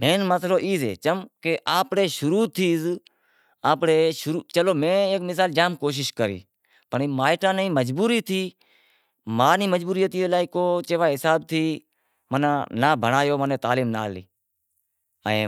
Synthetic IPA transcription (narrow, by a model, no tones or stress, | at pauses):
mẽːnməsloːʔiːsḛːt͡ʃəmkeʔaːpɽeːʃʊɾuːt̪ʰiːz | aːpɽeːʃʊɾuːt͡ʃəloːmẽːeːkmɪs̬aːld͡ʒaːmkoːʃ̬ɪʃkəɾḭː | pəɳːmaːɪʈãːnĩːməd͡ʒbuːɾiːt̪ʰiː | maːnĩːməd͡ʒbuːɾɪjət̪iːeːlaːiːkoːt͡ʃeːʋaːɦɪsaːb̚t̪ʰiː | mənãːnaːbʱəɳaːjoːmənẽːt̪aːliːmna̰ːlḭː | ə̰̃ː